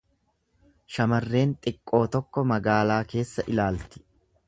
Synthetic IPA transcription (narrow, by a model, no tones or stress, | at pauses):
ʃɐmɐrːe̞ːnt̪ʼɪkʼːo̞ːt̪ɔkːɔmɐɡaːlaːke̞ːsːɐʔɪlaːlt̪ɪ̥